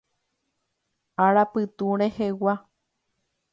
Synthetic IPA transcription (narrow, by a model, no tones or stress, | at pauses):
aɾapɨt̪ũɾehewa